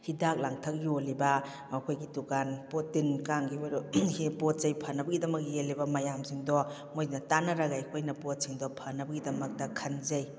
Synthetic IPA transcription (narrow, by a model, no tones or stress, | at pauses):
hidak̚laŋtʰɐk̚jolibɐ | mɐkʰojɡitukanpotːinkaŋɡihipot̚zɐjpʰɐnɐbɐɡidɐmɐk̚ːielːibɐmɐjamsiŋdɔ | mojnɐtanɐɾaɡajkʰojnɐpot̚siŋdɔpʰɐnːɐbɐɡidɐmɐk̚dɐkʰɐnzɐj